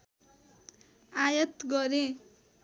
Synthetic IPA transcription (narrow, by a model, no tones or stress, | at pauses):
ajʌt̪ɡʌɾe